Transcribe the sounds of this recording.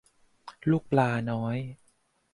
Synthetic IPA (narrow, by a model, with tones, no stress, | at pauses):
luː˥˩k̚plaː˧nɔː˦˥j